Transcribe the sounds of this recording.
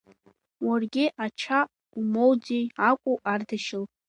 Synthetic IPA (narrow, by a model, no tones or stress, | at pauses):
warɡʲɪʔat͡ʃʰa | umowd͡zejakʷʼuʔardaʃɪl